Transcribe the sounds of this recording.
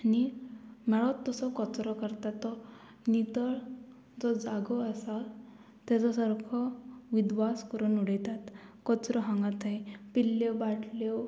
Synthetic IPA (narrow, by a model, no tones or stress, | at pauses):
animɛɭɔt̪ːəsɔkɔt͡sɾɔkəɾt̪at̪ːɔ | nit̪əɭ | d͡zɔd͡zaɡɔəsa | t̪ɛt͡sɔsəɾkʰɔʋid̪ʋaskəɾunuɽəjt̪at̪kɔt͡sɾɔɦãŋɡat̪aipilːɔbaʈʰlɔ